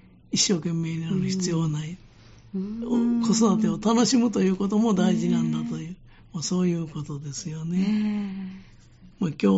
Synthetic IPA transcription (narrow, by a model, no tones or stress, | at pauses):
iɕːo̞ːkẽ̞mːe̞ːɲinaɾɯ̟çi̥t͡sɨjo̞nai | oko̞so̞d̪at̪̬e̞o̞t̪ano̞ɕimɯ̟t̪o̞jɯ̟ːko̞t̪o̞mo̞d̪aiʑinãnd̪at̪o̞jɯ̟ː | maso̞ːjɯ̟ːko̞t̪o̞d̪e̞sɨjo̞ne̞ | maːkʲo̞ː